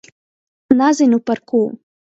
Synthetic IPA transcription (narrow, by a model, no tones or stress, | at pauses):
nazɨnʲuparkʰu